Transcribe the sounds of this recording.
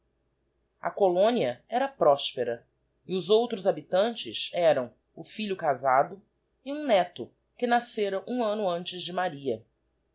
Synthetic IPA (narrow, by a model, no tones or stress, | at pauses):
ɐ̰kolõniɐɛɾɐpɾɔʃpeɾɐ | ɪʊzowt̪ɾʊzabit̪ɐ̃nt͡ʃɪsɛɾɐ̃w̃ | ʊfiʎʊkazad̪ʊ | ɪũnɛt̪ʊ | kɪnaseɾɐʔũɐ̃nʊɐ̃nt͡ʃɪzd͡ʒɪmaɾiɐ